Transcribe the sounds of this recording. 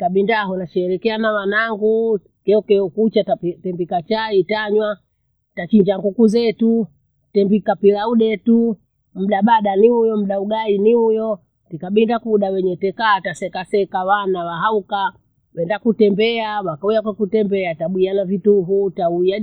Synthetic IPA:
taɓindaɦɔnat͡ʃɛːlɛkɛanawanaŋɡu | kɛɔkɛukut͡ʃaatɛmbikat͡ʃaitaɲwa | tat͡ʃiɲd͡ʒaŋɡukuzɛtu | tɛmbikapilauɗɛtu | m̩ɗaɓaɗaniujɔm̩ɗauɡainiujɔ | tikaɓindakuɗawɛɲɛtɛkaːtasɛkasɛkawanawaɦauka | wɛndakutɛmbɛawakaujakwɛkutɛmbɛataɓwianavituɦutauja

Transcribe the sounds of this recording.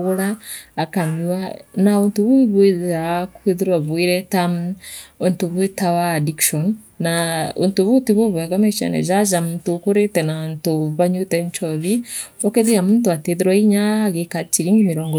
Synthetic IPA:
ɣoɾaːkaɲiwanaontoβuβweakweðeɾwaβeɾɛta | ontoβwetawaːdikʃɔnː | ao̰ntoβutiβoβɛŋɡamɛt͡ʃa̰nɛ̰ʒaʒamuntokoɾetɛnantoβaɲutɛɲt͡ʃɔβiɔkeðejamuːntoateðeɾwaiɲaɣekat͡ʃiɾiŋɡimiɾɔːŋɡɔ

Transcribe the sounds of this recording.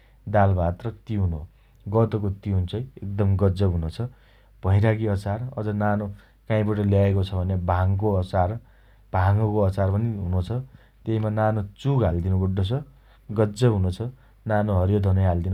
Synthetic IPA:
d̪albat̪rʌt̪iɦuno | ɡʌt̪okot̪iɦunt͡sʌjek̚d̪ʌmɡʌd͡zʌɦunot͡sʰʌ | b̥ʱʌjɾakiʌsarʌ̰d͡zʌnano | kãĩbʌʈʌljaekot͡sʰʌbʱʌnebʱaŋkoʌt͡sar | b̥ʱaŋʌkoʌt͡sarpʌniɦunõt͡sʰʌ | t̪eimananot͡suɡɦald̪inubuɖːot͡sʰʌ | ɡʌd͡zʌɦunot͡sʰʌ | nanoɦʌɾjod̪ʱʌnʌjɦald̪in

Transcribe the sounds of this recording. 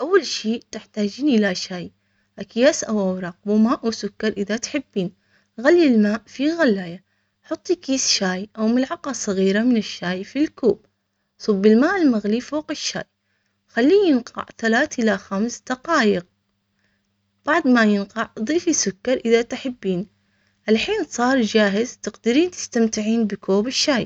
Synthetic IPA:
ʔawːalʃiːt̪ɪħt̪aːd͡ʒiːnʔɪlaʃaːj | ʔakjaːsʔawawɾˤɑq̚wʊmaːʔwsʊkːɑɾˤʔɪðat̪ħɪbːiːn | ɣalːilmaːʔfiɣalːaːja | ħʊt̪ˤːikiːsʃaːjʔawmɪlʕɑqɑsˤɑɣiːɾamɪnɪʃːaːjfilkuːb | sˤʊbːɪlmaːʔɪlmaɣlifoːqɪʃːa̰ːj | xalːiːjɪnqɑ̰ʕθalaːθʔɪlaxamsd̪̥ɑqɑːjɪq̚ | b̥aʕd̪ˤmajɪnqɑʕd̪ˤiːfisʊkːɑɾˤʔɪðat̪ħɪbːiːn | ʔalħiːnsˤɑːɾˤd͡ʒaːɦɪzt̪ɪqd̪ɪɾiːnt̪ɪ̥st̪amt̪ɪʕiːnbɪkʰoːbɪʃːaːj

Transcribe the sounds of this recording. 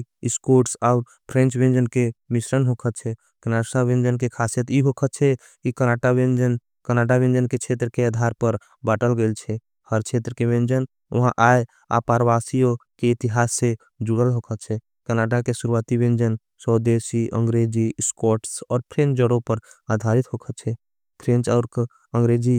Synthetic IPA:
skoʈsaʊɾ | pʰɾẽnt͡ʃʋẽnd͡ʒənkemisɾənɦokʰət̪̚t͡ʃʰɛ | kənasãʋẽnd͡ʒənkekʰasijət̪jiɦokʰət̪̚t͡ʃʰɛ | kikənaʈaʋẽnd͡ʒən | kəɾnaʈaʋẽnd͡ʒənket͡ʃʰet̪ɾəkeaːd̪ʱaɾpəɾ | baːʈəlɡəlt͡ʃʰɛ | həɾt͡ʃʰet̪ɾəkeʋẽnd͡ʒən | ɐɦãʔae | a̰paɾʋasijokeɪt̪iɦaːsːe | d͡ʒuɡəlɦokʰət̪̚t͡ʃʰɛ | kəɾnaʈakesuɾuʋat̪iʋẽnd͡ʒən | səd̪esiʔə̰̃ŋɡɾed͡ʒiskɔʈsɔːɾpʰɾẽnd͡ʒəɽõpəɾad̪ʱaɾit̪ɦokʰət̪̚t͡ʃʰɛ | kʰɾẽnt͡ʃɔːɾk | ə̃ŋɡɾed͡ʒi

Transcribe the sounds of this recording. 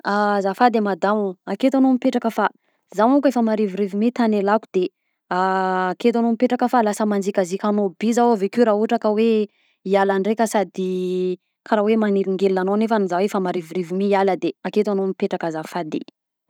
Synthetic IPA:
azafad̪emad̪auaket̪anomipeʈ͡ʂakəfa | zawukefəmaɾiviɾivimit̪anelakud̪̥e | aket̪̬anomipeʈ͡ʂakəfalasəmand͡zikʲazikanobizawavekeɾauʈ͡ʂakəwe | ialaɳɖ͡ʐekəsad̪i | kʰaɾawemaŋiɾiŋɡelinanonefanizawefamaɾiviɾivimiialəd̪eaket̪anomipeʈ͡ʂakazafad̪ḛ

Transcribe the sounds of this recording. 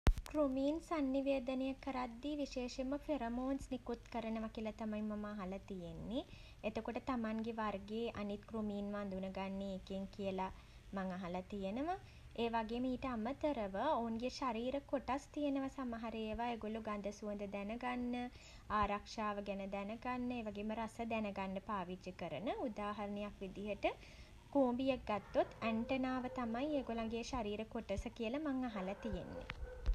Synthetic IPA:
kɾumiːnsanːiʋeːd̪ənejakːəɾad̪ːiʋiʃeːʃeməfeɾɐmoːnsnikut̪kəɾənəʋakilɐt̪amajmːɐmaːɦɐlɐt̪ijenːi | et̪okoʈət̪amaŋɡeʋarɡeːʔanit̪krumiːnʋand̪unəɡanːeːkeŋkijəla | maŋaɦɐlat̪ijenəʋa | eːʋaɡeːmiːʈəamət̪əɾəʋəounɡeʃaɾiːɾəkoʈast̪ijenəʋasaməɦaɾejeʋaeɡoluɡand̪əsuənd̪əd̪ɛnəɡanːə | aːɾakʂaːʋəɡɛnəd̪ɛnəɡanːəeːʋaɡeːməɾasəd̪ɛnəɡanːəpaːʋid͡ʒjəkəɾənəud̪aːɦɐɾənijakʋid̪iɦəʈə | kuːmbijək̚ɡat̪ːot̪ʰːæɳʈənaːʋət̪amajeːɡolaŋɡeʃaɾiːɾəkoʈəsəkijəlamaŋːaɦalat̪ijenːḛ

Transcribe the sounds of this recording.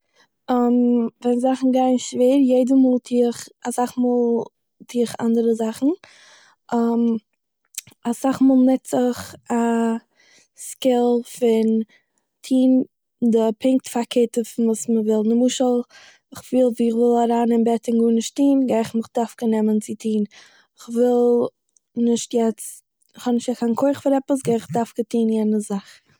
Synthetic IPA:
amvɛnzaχn̩ɡaɪnʃveːɾjeɪdəmuːlˠtʰiːχasaχmuːlˠ | tʰiːχa̰ndəɾəzaχn̩ | ʔam | asaχmuːlˠnɛtt͡sɪχa | skɪlˠfɪn | tʰiːn | dɪpʰɪŋk̚tfakʰeːtəfɪnvuːsməvɪlˠnəmuʃəlˠ | ɪχv̥ɪlˠviːɪχvɪlˠaɾaːnɪnbɛtɪnɡuːnɪʃtiːnɡaɪχmɪχd̥aɾfkənɛmənt͡sɪtʰiːn | ɪχvɪlˠ | nɪʃtjɛt͡s | ɪχhɔnɪʃtjɛkʰankʰoɪχfɪɾɛpəs̬ɡaɪɪχdafkətʰiːnjɛnəzaχ

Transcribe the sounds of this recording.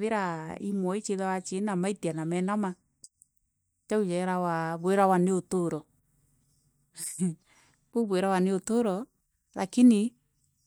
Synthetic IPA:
ðeɾaḭmwɔit͡ʃeðawat͡ʃenamaitianamɛnama | t͡ʃaud͡ʒɛɾawaβweɾawaneotoɾɔ | oβweɾawaneotoɾɔ | la̰kini

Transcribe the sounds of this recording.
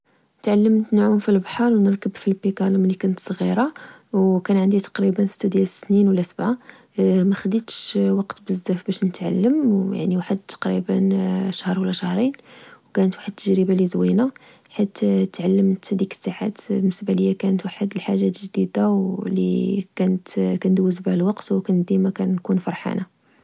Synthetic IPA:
ət̪ʕalːəmt̪nʕumfilbħɑɾˤwnəɾkəbfilpikæləmlikænət̪sˤɣiɾˤɑ | wkænʕənd̪it̪ɑ̥qɾibənsə̥t̪ːæd̪jælsːninwlːæsəbʕa | mæxəd̪it̪ʃwɑqt̪bəzːæfbæʃnət̪ʕa̰lːəmja̰ʕniwaħəd̪̚t̪ːɑ̥qɾibənʃəhɾˤwəlːæʃəhɾˤinwkænət̪waħəd̪̚t̪ːəʒɾəbalizwinæ | ħit̪t̪ːʕalːəmt̪hd̪ikə̥sːaʕa̰t̪bənəsbæləjːækænət̪waħəd̪əlħaʒːæt̪ʒd̪id̪awlḭkænət̪kænd̪wəzbælwɑqt̪wkænd̪imækænkunfɑɾˤħa̰na

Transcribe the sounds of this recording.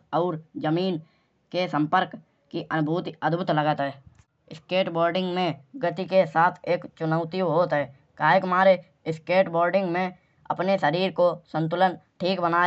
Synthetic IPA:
ɔːɾd͡ʒəmiːn | kesə̃mpəɾk | kiʔənbʱuːt̪iəd̪bʱʊt̪ləɡət̪ɦɛː | ɪskeːʈboːɾɖɪ̃ŋɡmẽɡət̪ikesaːt̪ʰeːkt͡ʃʊnəʊt̪iɦoːt̪ɦɛː | kaːɦekmaːɾe | ɪskeːʈboːɾɖɪ̃ŋɡmẽ | ɐ̰pneʃəɾiːɾkosə̃nt̪̬ʊlənʈʰiːkbənaː

